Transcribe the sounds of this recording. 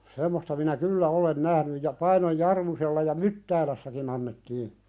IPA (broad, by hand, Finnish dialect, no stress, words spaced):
semːostɑ minæ kylːæ olen næhnyj jɑ pɑinoj jɑrmuselːɑ jɑ mytːæːlæsːækin ɑnːetːiː